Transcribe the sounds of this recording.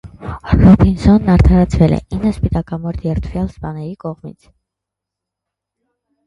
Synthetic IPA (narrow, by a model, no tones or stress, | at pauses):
rɔbʰinsɔnːɑɾt̪ʰɑɾɑt͡sʰvɛlɛ̰inːəspit̪ɑkɑmɔɾt̪ʰjɛɾt̪ʰvjɑlspɑnɛɾikɔʁmḭt͡sʰ